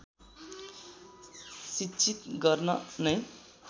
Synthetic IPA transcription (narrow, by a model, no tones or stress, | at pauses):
sit͡ʃʰit̪ɡʌrnʌnʌj